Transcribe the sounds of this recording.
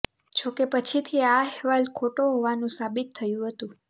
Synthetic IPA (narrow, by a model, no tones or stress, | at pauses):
t͡ʃʰokepət͡ʃʰit̪ʰiaɛɦʋalkʰoʈoɦoʋanũsabit̪ʰːəjũɦət̪ũ